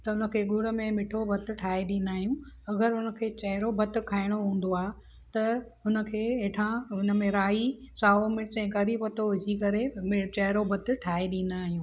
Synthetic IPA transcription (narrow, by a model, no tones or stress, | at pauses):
t̪ɐʊnə̆kʰeːɡʊɽə̆mẽmɪʈʰobʱɐt̪̆ʈʰaːeɗĩːnd̪aːɦijũɐɡəɾɦʊnə̆kʰeːt͡ɕɐɦɪɾobʱɐt̪̆kʰaːɪɽ̃oɦũːn̆d̪oaː | t̪ɐɦʊnə̆kʰeːeːʈʰãɦʊnə̆mẽɾaːisaːomɪɽsɛ̃ːkɐɾibɐt̪oʋɪd͡ʑikɐɾemɪt͡ɕɐɦɪɾobʱɐt̪̆ʈʰaːeɗĩːn̆d̪aːɦijũː